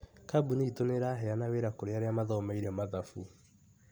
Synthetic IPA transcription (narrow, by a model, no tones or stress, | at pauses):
kabuneitoneɾaɦɛanaweɾakoɾeaɾeamaðɔmaiɾɛmaðafu